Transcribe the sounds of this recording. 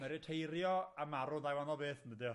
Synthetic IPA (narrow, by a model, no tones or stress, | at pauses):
mɛɾɪtʰejɾjɔamaɾʊðajwanɔlˠbeːθnədɪ